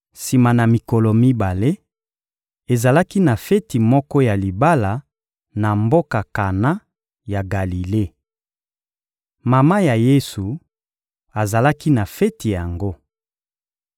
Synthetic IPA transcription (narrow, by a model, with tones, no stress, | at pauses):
si˨ma˨na˨mi˨kɔ˨lɔ˨mi˦ba˨le˦ | e˨za˨la˦ki˦na˨fɛ˦ti˨mɔ˦kɔ˦ja˨li˨ba˦la˨ | na˨mbo˦ka˨ka˨na˦ | ja˨ɡa˨li˨le˦ | ma˨ma˦ja˨je˦su˨ | a˨za˨la˦ki˦na˨fɛ˦ti˨ja˨ŋɡo˦